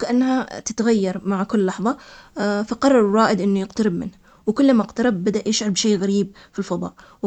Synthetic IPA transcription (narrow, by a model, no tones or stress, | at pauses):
kaʔanːhat̪ɪt̪aɣajːɑɾˤmaʕkʊlːɑħðˤɑfaqɑrˤːɑɾˤɑːʔɪd̪ʔɪnːujɪqt̪aɾɪbmɪnh | wɪkʊlːamaɪqt̪ɑɾɪbːad̪aʔjɪʃʕɑɾbʃeːɣaɾiːb̚filfɑðˤɑ̰ːʔ | w